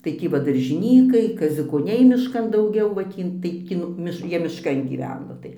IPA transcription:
tɐɪ ˈtʲiː ʋɐ dɐrʲʒʲɪˈnʲiːkɐɪ kɐzʲʊkoːˈnʲɛɪ mʲɪʃˈkɐn dɐʊˈɡʲɛʊ ʋɐ ˈtʲiː ˈtɐɪp ˈkʲɪ nʊ ˈmʲɪʃ ˈjiɛ mʲɪʃˈkɐn ɡʲiːˈʋʲæːnoː tɐɪ

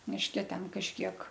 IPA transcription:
mʲɪʃʲˈkʲɛ ˈtʲɛn kɐʃʲˈkʲiɛk

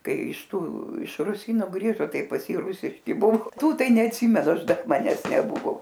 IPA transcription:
ˈkɐɪ ɪʃˈtuː ɪʃ rʊˈsʲiːnoː ˈɡrʲiːʒoː ˈtɐɪ pɐs ˈjiː ˈrʊsʲɪʃʲkʲɪ ˈbuɔ ˈtuː ˈtɐɪ nʲɛɐtʲˈsʲɪmʲɛnʊ ˈɐʃ ˈdɐr mɐˈnʲɛs nʲɛˈbʊʋoː

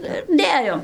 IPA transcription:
ˈnʊ ɪr ˈdʲeːjoːm

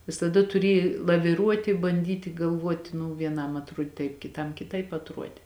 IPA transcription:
ʋʲɪsɐˈdɐ tʊˈrʲeːj lˠɐʋʲɪˈruɔtʲɪ bɐnʲˈdʲiːtʲɪ ɡɐlˠˈʋuɔtʲɪ nʊ ʋʲiɛˈnɐm ɐtˈruɔdʲɪ tɐɪp kʲɪˈtɐm kʲɪˈtɐɪp ɐtˈruɔdʲɛ

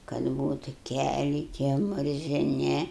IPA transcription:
kɐt ˈbuːtʊ ˈkʲælʲɛɪ tʲiɛ mʊrʲzʲɪˈnʲɪ

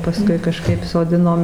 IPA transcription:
pɐˈskʊɪ kɐˈʃkɐɪp soːˈdʲɪnoːm

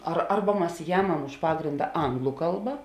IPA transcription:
ɐr ˈɐrbɐ ˈmɐs ˈjæːmɐm ʊʃ ˈpɑːɡrʲɪndɐ ˈɐŋɡlˠʊ ˈkɐlˠbɐ

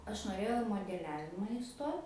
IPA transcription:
ˈɐʃ noːˈrʲeːjɛʊ ɪ moːdʲɛˈlʲæːʋʲɪmɐ ɪˈstoːt

